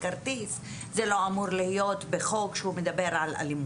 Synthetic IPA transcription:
kaʁt̪is | zelo̞amuʁlihijo̞t̪beχo̞kʃehume̞d̪abe̞ʁala̰lim

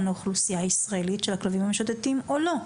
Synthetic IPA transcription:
noχlusijaisʁaelitʃelaklavimhameʃot̪etimolo̞

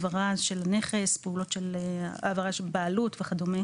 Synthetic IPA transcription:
vaʁaʃelane̞χe̞speulo̞tʃelavaʁaʃelbaːlutveχad̪ome

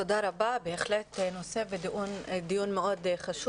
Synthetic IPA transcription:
odaɾababeːχlet̪no̞se̞vediud̪ijunmeo̞d̪χaʃu

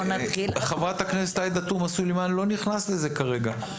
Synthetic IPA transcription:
naχiχavʁat̪hakneset̪aed̪at̪umasulimanlo̞niχnasle̞ze̞kaʁe̞ɡa

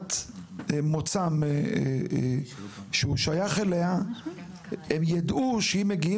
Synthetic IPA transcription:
t̪ | mot͡sam | ʃeuʃajaχelea | emjad̪uʃeimeɡii

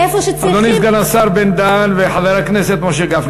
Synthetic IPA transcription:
efoʃead̪onisɡanasaɾbend̪anveħaðaɾakneset̪moʃ̬eɡaf

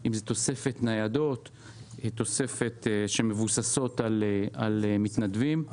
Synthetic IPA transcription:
ʔimzet̪o̞se̞fe̞t̪najad̪o̞t̪ | t̪o̞se̞fe̞t̪ʃeme̞vusaso̞t̪alalemit̪nad̪vim

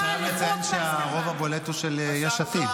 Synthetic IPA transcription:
kajammet͡sajenʃeaʁovabo̞let̪uʃelejaʃat̪i

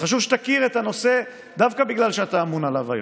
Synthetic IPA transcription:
χaʃuvʃe̥t̪akiʁet̪ano̞se̞ | d̪avkabiɡlalʃeat̪aːmunalava̰jo̰

